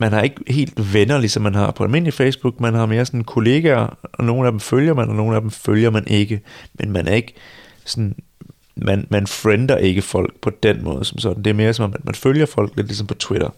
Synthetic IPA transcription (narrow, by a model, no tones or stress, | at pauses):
mænhɑ̈e̝ɡ̥əhe̝̰ːld̥ʋenɐlisɒ̽mːænɦɑ̈pʰɒ̽ælme̝n̰lifesb̥uɡ̥mænɦɑ̈me̝ːɐsɒ̽nn̩kʰo̝le̝ːɡ̥æɐɒ̽no̝ːn̩æd̥em̩føljɐmænɒno̝ːn̩æd̥em̩føljɐmænʔe̝ɡ̥əmenmænʔæɐe̝ɡ̥ | sɒn̩ | mʔænmænfʁend̥ɐʔe̝ɡ̥əfɒ̽l̰ɡ̥pʰɒ̽d̥enmɔ̰̽ːð̞̩ˠsɒ̽msɒ̽d̥n̩d̥e̝æɐme̝ːɐsɒ̽mɒ̽mːæ̥mænføljɐfɒ̽l̰ɡ̥le̝d̥lis̬ɒ̽mpʰɒ̽t͡sʰweɾ̥ɐ